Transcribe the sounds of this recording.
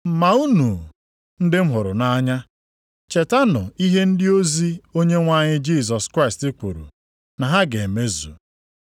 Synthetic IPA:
m̩˨ma˨u˦nu˨ | n̩˦dɪ˦m̩˦ɦʊ˨ɾʊ˨na˦ɲa˦ | t͡ʃe˨ta˦nʊ˨i˦ɦe˦n̩˦dɪ˦o˦zi˦o˦ɲe˦ŋʷa˦˨ɲɪ˦d͡ʒi˦˨s̬ɔ˨skɾa˦ɪ˨stɪ˦k͡pu˨ɾṵ˨ | na˨ɦa˦ɡe˨e˨me˦zṵ˨

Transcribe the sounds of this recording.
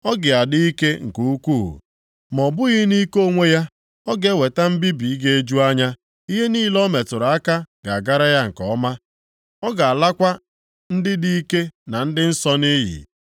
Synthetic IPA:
ɔ˦ɡɪ˨a˨dɪ˦i˦ke˦ŋ̩˨ku˦u˦kṵ˦˨ | mɔ˨bʊ˦ɣi˦ni˦ko˦˨ŋʷe˦ja˦ | ɔ˦ɡe˦we˨ta˦m̩˦bi˦bi˨i˦ɡe˦e˦d͡ʒu˦a˦ɲa˦ | i˦ɦe˦niː˦lɔ˦me˨tʊ˨ɾa˦ka˦ɡ̥a˨a˨ɡa˦ɾa˦ja˦ŋ̩˨kɔ˦ma˦ | ɔ˦ɡa˨a˨la˦kʷa˦ | n̩˦dɪ˦di˦i˦ke˦na˨n̩˦dɪ˦n̩˦sɔ˦ni˦ɦḭ˨

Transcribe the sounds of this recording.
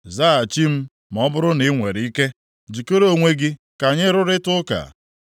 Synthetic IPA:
za˦˨a˨t͡ʃi˦m̩˦ | m˨ɔ˦bʊ˦ɾʊ˦ni˨˦ŋʷe˨ɾi˦ke˦ | d͡ʒi˨ko˦ɾo˦˨ŋʷe˦ɡɪ˦ | ka˨ɲɪ˦ɾʊ˦ɾɪ˦tʊ˦ka̰˨

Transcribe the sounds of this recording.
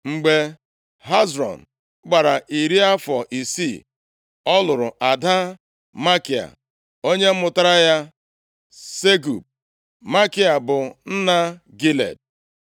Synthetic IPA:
ŋ͡m̩˨ɡ͡be˦ | ɦa˦zɾɔ̰˨n̩˨ | ɡ͡ba˨ɾa˨ʔi˨ɾi˦a˦fɔ˨ʔi˨si˦˨ | ɔ˦lʊ˨ɾʊ˨ʔa˨da˦ | ma˦ki˨a̰˨ | o˦ɲe˦m̩˦mʊ˨ta˦ɾa˦ja˦ | se˦ɡu˨p̚ | ma˦ki˦a˨bʊ˨n̩˦na˦ | ɡi˦lḛ˨d̚

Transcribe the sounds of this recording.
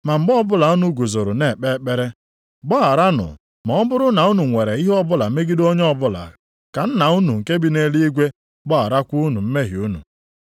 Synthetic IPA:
ma˨m̩˨ɡ͡bɔ˦bʊ˦la˨u˦nu˦ɡu˨zo˨ɾʊ˨ne˨k͡pe˦˨k͡pe˦ɾe˦ | bɔ˦a˨ɾa˦nʊ̰˨ | mɔ˨ɔ˦bʊ˦ɾʊ˦na˨u˦nu˨ŋʷe˨ɾe˨i˦ɦɔ˦bʊ˦la˨me˦ɡi˦do˦ɲ˦ɔ˦bʊ˦la̰˨ | ka˨n̩˦na˨u˦nu˨ŋ̩˨ke˦bi˦ne˦li˦i˦ɡʷe˦ | bɔ˦a̰˨ɾa˦kʷu˦nu˨m̩˦me˦ɦi˨u˦nṵ˨

